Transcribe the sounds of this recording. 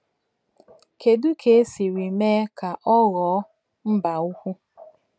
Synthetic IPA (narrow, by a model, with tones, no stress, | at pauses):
ke˨du˦kʰe˨e˦si˨ɾi˨me˦ka˨ʔɔ˦ɣɔ˨˦ | m̩˦ba˨u˦kʷu˦